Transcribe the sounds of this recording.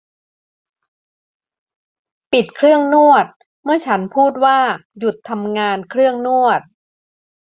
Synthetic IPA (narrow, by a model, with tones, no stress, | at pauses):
pi˨˩t̪̚kʰɾɯ˥˩əŋnu˥˩ət̪̚ | mɯ˥˩ɐt͡ɕʰa˦˥npʰuː˥˩t̪̚waː˥˩ju˨˩t̪ʰːa˧mŋaː˧nkʰɾɯ˥˩əŋnu˥˩ət̪̚